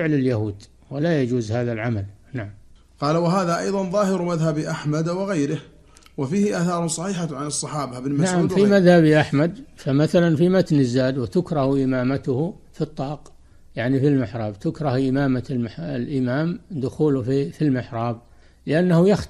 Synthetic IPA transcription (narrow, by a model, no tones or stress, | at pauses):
ɪʕlɪljahuːd̪ | walajad͡ʒuːzhaːðalʕamalnaʕam | qɑːlawaɦaːðaʔɑjðˤɑnðˤɑːhɪɾmaðhabʔaħmad̪waɣajɾɪh | wafiːhɪʔaːθɑːɾˤsˤɑħiːħaʕanɨsˤːɑħɑːbaʔɪbnlmansʕamfimaðhabiʔaħmad̪famaθalanfimat̪nɪzːaːd̪wɪt̪ʊkɾˤɑhʔɪmaːmat̪ʊh | fit̪ˤːɑːq | jaʕnifilmɪħɾˤɑːbt̪ʊkɾˤɑhʔɪmaːmamlʔɪmaːmd̪ʊxuːlʊfifilmɪħɾˤɑːb̚ | lɪʔanːahʊjax